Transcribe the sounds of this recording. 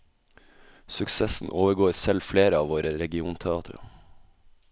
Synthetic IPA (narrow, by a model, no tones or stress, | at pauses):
sʉksɛsn̩ʔoːʋəɡoːɾsɛlfleːɾəɑːʋoːɾəɾɛɡɪuːnt̪ʰɛɑːt̪ʰɾə̰